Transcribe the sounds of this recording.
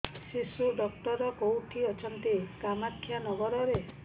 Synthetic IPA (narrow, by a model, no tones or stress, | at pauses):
sisuɖɔkʈɔɾɔkowʈʰiɔt͡ʃʰɔnt̪ikamakʰːjanɔɡɔɾɔɾe